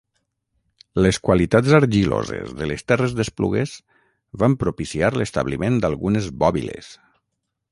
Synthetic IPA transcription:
leskwalit̪adzaɾʒilo̰zḛzðəlest̪ɛrezðesplṵɣez | βampɾupisiaɾlest̪a̰βlimẽnd̪alˠɣunezβɔβḭlḛs

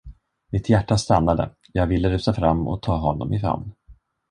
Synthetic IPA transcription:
mɪt̪ʰjæʈːast̪anːad̪ə̰ | jɑːɡvɪlːəɾʉ̟ːsafɾamːɔ̰t̪ʰɑːɦɔnːɔ̰mʔɪfɾa̰mn

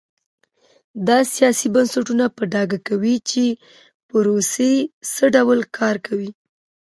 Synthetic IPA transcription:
d̪ɑsijɑsibansaʈunapəɖɑɡakawit͡ʃe | pəɾosesəɖawlkʰɑɾkʰawi

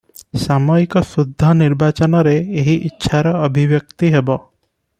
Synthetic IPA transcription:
samɔikɔsud̪ʱːɔniɾbat͡ʃɔnɔɾeːɦiʔitːʃʰaɾɔːbʱiʋjək̚t̪iɦebɔ

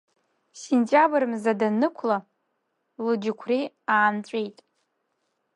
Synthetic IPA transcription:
sentʼabɨrmzadanɨkʷʰla | lɨd͡ʒɪkʷʰri | aːnt͡ɕʷʼejtʼ

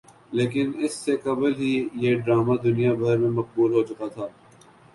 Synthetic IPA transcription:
leːk̬ɪnɪsːekɐbəlɦijeɖɾaːmad̪ʊnijabɐɾmẽmɐq̚buːlɦoːt͡ʃʊkat̪ʰaː

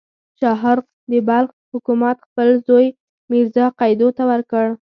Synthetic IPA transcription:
ʃɑɦɑɾ | d̪əbalx | hʊkumat̪xpəlzoj | miɾzɑqɑjd̪ot̪awəɾkəɽ

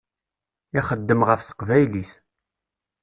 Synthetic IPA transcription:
iχəd̪ːəmʁəfθə̥qvæjliθ

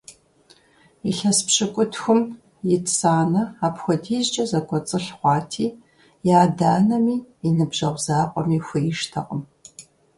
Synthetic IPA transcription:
iɬɐspɕɨkʷʼʊtʰxʷʊm | jɪtʰsaːnɐaːpxʷɔdiːʑt͡ʃʼɐzɐkʷʼɔt͡sʼɨɬχʷɑːtʰiː | jaːdaːnɐmiːinɨbʒɐʁʷzaːqʷʼɔmiːxʷijɪʃtʰɐ̰qʼəm

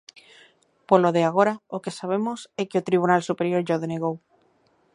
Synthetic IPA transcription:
poloðeaɣ̞o̞ɾaoke̞saβ̞e̞mosekeot̪ɾiβ̞unalsupeɾjo̞ɾʝoðeneɣow

